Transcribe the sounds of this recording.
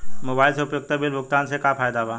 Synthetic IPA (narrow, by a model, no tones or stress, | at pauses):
mobaːɪlseʊpjʊɡ̚t̪abilbʱʊk̚t̪aːnsekapʰaːjd̪abaː